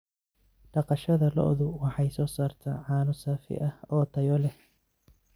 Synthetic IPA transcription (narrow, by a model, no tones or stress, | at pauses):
ɖɑqɑʃɐðɐlɔ̰ʔðʊwɑħɑjsɔːsaːrt̪ʰa̰ːʕɑːnʊsaːfɪ̰ʔɐhɔːt̪ʰɐjɔlɛh